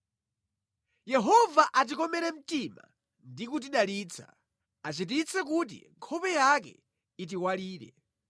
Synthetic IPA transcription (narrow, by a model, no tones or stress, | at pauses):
jɛɦɔvaʔat̬ikɔmɛɾɛm̩tima̰ | ndikut̬iɗaliːt͡sʰa̰ | at͡ʃit̬it͡sɛkut̬ḭŋkʰɔpɛjakɛ̰ | it̬iwaliːɾɛ̰